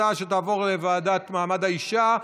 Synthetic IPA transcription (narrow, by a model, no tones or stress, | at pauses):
aʃet̬aːvo̞ʁlevaːdatmaːmadaiʃa